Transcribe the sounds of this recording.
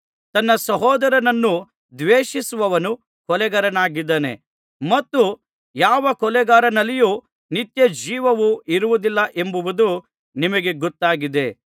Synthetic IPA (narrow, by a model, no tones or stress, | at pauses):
t̪ɐnːɐsɐɦɔːd̪ɐɾɐnɐnːu | d̪ʋeːʃisuʋɐʋɐnu | kɔlɛɡɐɾɐnaːɡid̪ːɐːne̞̰ | mɐt̪ːu | jaːʋɐkɔlɛɡaːɾɐnɐlːijuː | nit̪jɐd͡ʒiːʋɐʋuʔiɾuʋud̪ilːɐʔe̞mbuʋud̪u | nimɐɡe̞ɡɔt̪ːaːɡid̪e̞